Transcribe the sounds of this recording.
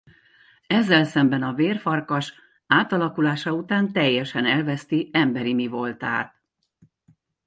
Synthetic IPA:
ɛzːɛlsɛmbɛnɒveːrfɒrkɒʃ | aːt̪ɒlɒkulaːʃɒut̪aːnt̪ɛjːɛʃɛnɛlvɛst̪iɛmbɛɾimivo̞lt̪a̰ːt̪̚

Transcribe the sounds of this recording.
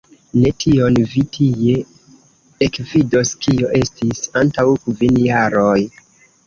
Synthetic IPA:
ne̞tʰio̞nvitʰije̞ | ekvidoskio̞ʔe̞stisantawkvinjaɾoj

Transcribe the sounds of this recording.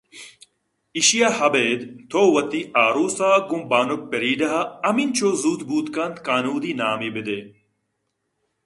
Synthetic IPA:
iɕijahɐbeːd̪t̪ʰoːwɐt̪iʔaːɾuːsaːɡũmbaːnuk̚peɾiːɖɐɦaɐmint͡ɕʰoːzuːt̪buːt̪kɐnd̪kaːnuːd̪iːnaːmibɪd̪eː

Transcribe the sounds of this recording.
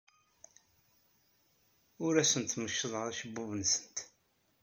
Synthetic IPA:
ʊɾæsənt̪məʃːəðˤʁəɾˤæʃəbːuvənsə̥nt̪

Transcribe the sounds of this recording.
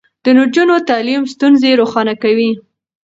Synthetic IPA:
d̪̥ənʊd͡ʒunot̪ɑlimst̪unzeɾoxɑnakawi

